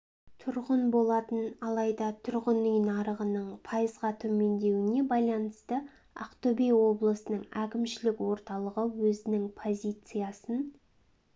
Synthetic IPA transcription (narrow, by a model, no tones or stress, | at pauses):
t̪ʰʊɾʁənbo̞lˠɑt̪ənɑlˠɑjd̪ɑt̪ʰʊɾʁənʏjnɑɾəʁənəɴpʰɑjəzʁɑt̪ʰɵme̞nd̪e̞wɪne̞bɑjlˠɑnəst̪ə | ɑ̰qt̪ɵbejwo̞blˠəsənəɴækʲɪmʃɪlɪkwo̞ɾt̪ɑlˠəʁəwɵzɪnɪŋpʰo̞zʲijt̪sɨjasən